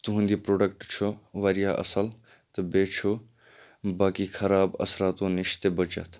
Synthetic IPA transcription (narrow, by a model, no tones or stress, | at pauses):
t̪uɦũnd̪ipɾoːɖɐkʈt͡ʃʰoʋɐɾijaːʔɐ̰səl | t̪ɐbeːt͡ʃʰo | baːkixʰɐɾaːbɐ̰sɾaːt̪õːnɪʃt̪ebɐt͡ʃɐ̰t̪ʰ